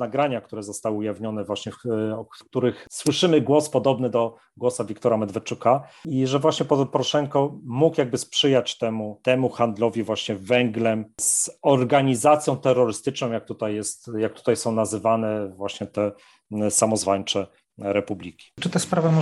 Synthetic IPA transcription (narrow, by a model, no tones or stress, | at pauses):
naɡɾaɲakt̪uɾɛzɔst̪awɘujavɲɔnɛvwaɕɲɛɔkk̚t̪uɾɘxswɘʂɘmɘɡwɔspɔd̪ɔbnɘd̪ɔ | ɡwɔsavʲikt̪ɔɾamɛd̪vɛt͡ʂukaiʐɛvwaɕɲɛpɔzɔpɔɾɔʂɛŋkɔmukjaɡ̚bɘspʂɘjat͡ɕt̪ɛmut̪ɛmuxand̪lɔvʲivwaɕɲɛvɛŋɡlɛmz̥ɔɾɡaɲizat̪sʲjɔ̃w̃t̪ɛɾːɔɾɘst̪ɘt͡ʂnɔ̃w̃jak̚t̪ut̪ajːɛst̪jak̚t̪u̥t̪ajsɔ̃w̃nazɘvanɛvwaɕɲɛt̪ɛ | samɔzvaɲt͡ʂɛ | ɾɛpublʲikʲi̥t͡ʂɨt̪ɛspɾavɛmɔ